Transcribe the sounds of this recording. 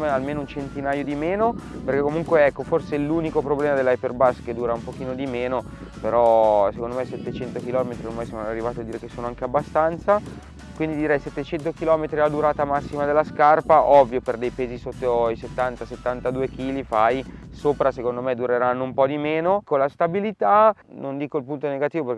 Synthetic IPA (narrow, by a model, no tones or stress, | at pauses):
mealmeːnount͡ʃent̪inaːjod̪imeːnoperk̟ekːomuŋkweɛkːoforseɛluːnikopɾoblɛːmad̪elːajperbasːked̪uːɾaumpok̟iːnod̪imeːno | peɾɔsekond̪omesɛt̪ːet͡ʃɛnt̪ok̟ilɔːmet̪ɾiormajsoːnoarːivaːt̪ad̪ːiːɾekesːoːnoaŋkeabːast̪ant̪sa | kwind̪id̪iɾɛjsɛt̪ːet͡ʃɛnt̪okilɔːmet̪ɾiad̪uɾaːt̪amasːimad̪elːaskarpaʔɔvːjoperd̪ejpeːzisot̪ːoiset̪ːant̪aset̪ːant̪ad̪uːek̟iːlifajsoːpɾasekond̪omed̪uɾeɾanːoumpɔd̪imeːnokonlast̪abilit̪anond̪iːkoilpunt̪oneɡat̪iːvoperk